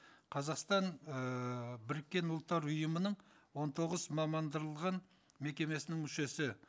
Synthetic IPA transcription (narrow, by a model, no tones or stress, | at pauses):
qʰɑzɑqst̪ɑnəbɪɾɪkʲːe̞nʊlˠt̪ːɑɾʊjəmənəɴwo̞nt̪ʰo̞ʁəzmɑmɑnd̪əɾəlˠʁɑn | me̞kʲe̞me̞sɪnɪŋmʏʃe̞sɪ